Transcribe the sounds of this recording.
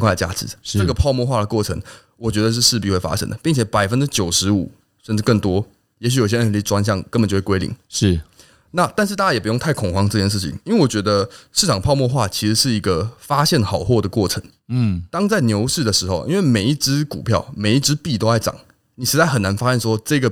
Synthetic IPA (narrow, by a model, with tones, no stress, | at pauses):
ŋkʰwa˥˩də˩t͡ɕja̰˥ʈ͡ʂʰɻ̩˧˥ʈ͡ʂə˥˧˩ɡə˩pʰɑ˥˧ʊmwɔ˥˧xwa˥˩d̪ə˩kwɔ˥˩ʈ͡ʂʰə̰˧˥ŋ | wɔ˨˩t͡ɕɥɛ˧˥d̪ə˧ʂ̬̩˥˧ʂɻ̩˥˧p̬i˥˧xwe˥˩ɪfa̰˥ʂə̰˥nd̪ə˩pi˥˩ŋt͡ɕʰjɛ˨˩˦pa˨˩ɪfə˦nʈ͡ʂɻ̩˥t͡ɕjo˨˩ʊʂɻ̩˧˦˥u˨˩ | ʂə˥˧nʈ͡ʂɻ̩˥˧kə˥˩ŋt̪wɔ˥ | jɛ˧˥ɕ̬y˨˧jo˨˩ɕjə˥˩˧i˥˩ʈ͡ʂwa˥nɕ̬jɑ˥˨˩ŋkə˦nbə˨˩t͡ɕo˥˧˩wkwe˥ɪḭ˨˩ŋʂ̩˥˩ | na˥˨t̪a˥˧nʂɻ̩˥˧t̪a˥˩t͡ɕa˥jɛ˨˩pu˧˦jo˥˧ŋt̪ʰa˥˩ɪkʰɔ˨˩ŋxwɑ˥ŋʈ͡ʂɤ˥˧t͡ɕjɛ˥˧nʂɻ̩˥˩t͡ɕʰḭ˨˩ŋi˥nwe˥˩wɔ˨˩t͡ɕɥɛ˧˥d̪ə˧ʂɻ̩ʰ˥˩ɑ˨˩ŋpʰɑ˥˧ʊmwɔ˥˧xwa˥˨t͡ɕʰi˧˥ʂɻ̩˧˥ʂɻ̩˥˩i˧˥ɡə˧fa˥ɕjɛ˥˩nxɑ˨˩ʊxwɔ˥˩d̪ə˩kwɔ˥˩ʈ͡ʂʰə˧˦ŋ˥˩ | t̪ɑ˥ŋt͡sa˥˩ɪnjo˧˥ʊʂɻ̩˥˩d̪ə˩ʂɻ̩˧˥xo˧ʊʔḭ˧˥nwe˥˩ɪme˨˩i˥˩ʈ͡ʂɻ̩˥ku˨˩pʰjɑ˥˩ʊme˨˩ɪi˥˩ʈ͡ʂɻ̩˥pi˥˨˩t̪o˥ʊa˥˩ɪʈ͡ʂɑ̰˨˩˦ŋ | ni˨˩ʂɻ̩˧˥t͡sa˥˩xə˨˩nːa˧˦nfa˦˥ɕjɛ˥˨nʂwɔ˥ʈ͡ʂɤ˥˧˥ɡə˩